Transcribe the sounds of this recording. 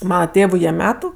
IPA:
ˈmɑːnɐ ˈtʲeːʋʊ jiɛ ˈmʲæːtʊ

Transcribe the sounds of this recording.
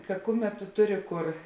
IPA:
kɐ ˈkʊˌmʲɛt tʊ ˈtʊˌrʲɪ ˈkʊr

